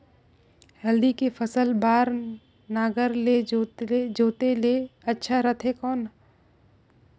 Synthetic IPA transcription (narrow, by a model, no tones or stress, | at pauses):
hɛld̪ikefʰəsəlbaːɾ | naːɡəɾled͡ʒoːt̪ed͡ʒoːt̪eleɐtːʃʰaɾət̪ʰɦekɔːn